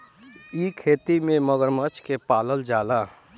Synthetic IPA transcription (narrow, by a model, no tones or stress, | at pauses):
ikʰeːt̪imẽməɡəɾmət͡ʃkepaːləld͡ʒaːlaː